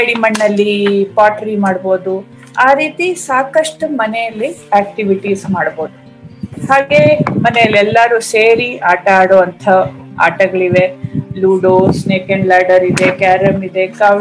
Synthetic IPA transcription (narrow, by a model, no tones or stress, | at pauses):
eɽimɐɳːɐlːipaːʈɐɾimaːɽboːd̪u | aːɾiːt̪isaːkɐʂʈumɐnɛjɐlːiaːk̚ʈiʋiʈiːsmaːɽbo̞ːd̪u | haːɡemɐnɛjɐlːiɛlːaɾuːseːɾiaːʈɐaːɽoːʋɐnt̪ʰɐa̰ːʈɐɡɐɭiʋe̞luːɖosneːkeɳɖlaːɖɐɾid̪e̞kaːɾɐmid̪e̞kaː